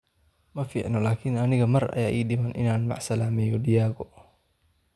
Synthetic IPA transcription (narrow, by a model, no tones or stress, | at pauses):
mɐfḭːʕnɔlaːkʰɪnɐnɪɣɐmɐrɐ̰jaːʔḭːɖɪmɐnʔɪ̰naːnmɑ̰ʕsɐlaːmɛːjɔɖɪjaːɣɔ